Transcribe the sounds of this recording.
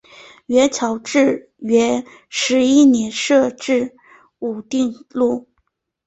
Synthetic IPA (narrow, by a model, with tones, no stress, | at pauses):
ɥɛ˧˥t͡ɕʰjɑ˨˩ʊʈ͡ʂɻ̩˥˩ | ɥɛ˧˥ | ʂɻ̩˧˥i˥˩njɛ˧˥nʂɤ˥˧ʈ͡ʂɻ̩˥˩ | u˨˩t̪i˥˧ŋlu˥˩